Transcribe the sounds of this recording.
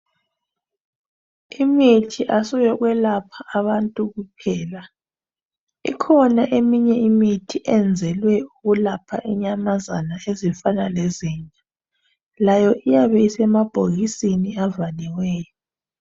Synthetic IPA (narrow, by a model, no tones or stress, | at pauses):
imitʰiʔasɔjɔɣwɛlapʰaːβantʼuɣupʰɛːla | ḭkʰɔnaʔemiɲɛimitʰiʔɛnd͡zʱɛlwɛuɣulapʰaʔiɲamazanaezifanaleziɲa | lajɔʔijaβɛisɛmab̥ʱoɣisiniavaliwɛːjɔ